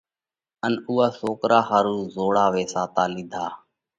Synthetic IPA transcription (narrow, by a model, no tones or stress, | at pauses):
ənuːaːsoːkɾaːɦaːɾuːzoːɽaːʋeːsaːt̪aːlɪd̪ʱaː